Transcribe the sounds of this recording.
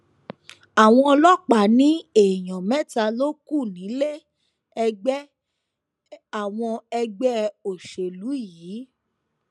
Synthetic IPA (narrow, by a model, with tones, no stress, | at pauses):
a˨w̃ɔ̃˧lɔ˦k͡pa˨nĩ˨˦e˦˨j̃ɔ̃˨mɛ̃˦ta˧lo˦ku˦˨nĩ˨˦le˦ | ɛ˧ɡ͡bɛ˦ | a˨w̃ɔ̃˧ɛ˧ɡ͡bɛ˦o˨ʃe˨lu˨˦jiː˨˦